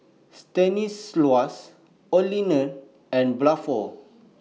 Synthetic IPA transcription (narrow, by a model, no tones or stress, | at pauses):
stɛ̃nislwas | ɔlinə̃n | ɛ̃nblafɔ